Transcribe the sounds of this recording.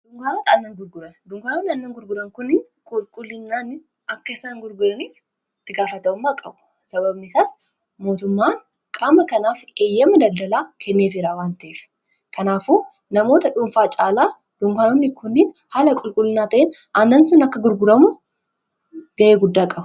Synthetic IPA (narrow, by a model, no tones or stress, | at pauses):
d̪̥ʊŋɡaːnot̪ɐnːɐnɡʊɾɡʊɾɐnd̪ʊŋɡaːnonːɪɐnːɐŋɡʊɾɡʊɾɐŋkʊnːɪn | kʼʊlkʼʊlːɪnːaːnɪ | ʔɐkːɐɪsaːŋɡʊɾɡʊɾɐniːf | t̪ːɪɡaːfɐt̪ɐʊmːaːkʼɐbʊ̥ | sɐβɐbnɪsaːs | mo̞ːt̪ʊmːaːn | kʼaːmɐkɐnaːfeːjːɐmːɐd̪ɐld̪ɐlaːkʰɛnːeːfɪɾaːwaːnt̪ɐʔeːf | kʰɐnaːfuː | nɐmo̞ːt̪ɐᶑʊmfaːt͡ʃʼaːlaː | d̪̥ʊŋɡaːnonːɪkʰʊnːɪn | halɐkʼʊlkʼʊlːɪnaːt̪ɐʔenʔɐnːɐnsʊnɐkːɐɡʊɾɡʊɾɐmʊ | ɡ̥ɐʔeːɡʊd̪ːaːkʼɐb